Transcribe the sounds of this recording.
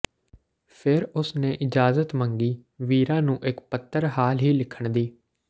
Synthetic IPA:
pʰɪɾʊsnẽːʔɪd͡ʒaːzət̪məŋɡiːʋiːɾãːnũːʔɪkpət̪ʰːəɾɦaːlɦiːlɪkʰəɳd̪iː

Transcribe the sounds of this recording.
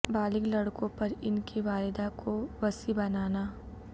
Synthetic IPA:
baːlɪklɐɽkõpɐɾɪnkiʋaːlɪd̪akʰoʋɐsibɐnaːnaː

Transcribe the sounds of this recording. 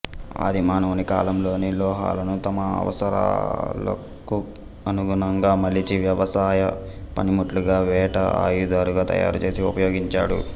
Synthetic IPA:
a̰ːd̪ʱimaːnɐnika̰ːlɐmlo̞ːnilɔːɦa̰ːlɐnut̪ɐmɐɐ̰ʋɐ̰sɐɾa̰ːlɐ̰ | ku | ɐnuɡuɳɐŋɡaːmɐlit͡ʃiʋjɐʋɐsaːjɐ | pɐnimuʈluɡaːʋɛːʈɐa̰ːjud̪aːɾuɡaːt̪ɐ̰ja̰ːɾut͡ʃe̞ːsiupɐjo̞ːɡiɲt͡ʃa̰ːɽṵ

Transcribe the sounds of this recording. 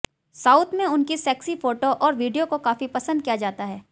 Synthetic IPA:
saːʊt̪ʰmẽʊnkisɛːksifoːʈoʔɔːɾʋiːɖijokokaːfipɐsə̃nd̪̚kijad͡ʒaːt̪aɦɛː

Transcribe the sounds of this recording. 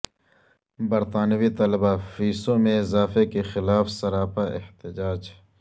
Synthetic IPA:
bɐɾt̪aːnwit̪ɐlbafiːsõmẽɪzaːfekexɪlaːfsɐɾaːpaʔɪ̰ht̪ɪd͡ʒaːd͡ʒ

